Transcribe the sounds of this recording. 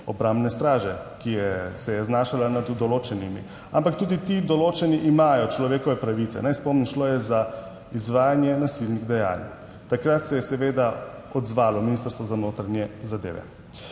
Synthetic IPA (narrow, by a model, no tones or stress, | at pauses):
ɔbɾambnɛst̪ɾaːʒɛ | kijɛsɛjɛznaːʃalanad̪d̪ɔloːt͡ʃɛnimḭ | ampak̚t̪uːd̪it̪id̪ɔloːt͡ʃɛniʔimaːjɔt͡ʃlɔʋeːkɔʋɛpɾaʋit̪sɛ̰najspɔmnimʃloːjɛza | izʋaːjanjɛnasilniɣd̪ɛja̰l | t̪akɾat̪sɛjɛsɛʋeːd̪a | ɔd̪zʋaːlɔminist̪əɾst̪ʋɔzanoːt̪ɾanjɛzad̪ḛːʋɛ̰